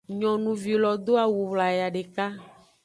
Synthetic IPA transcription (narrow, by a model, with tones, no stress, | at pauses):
ɲɔ̃˨nũ˨vi˨lɔ˨d̪o˦a˨wu˨wla˨ja˨ɖe˨ka˦